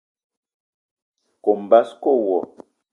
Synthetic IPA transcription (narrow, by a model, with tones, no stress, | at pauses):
ko˨m̩˨ba˦sko˦˨wɔ˨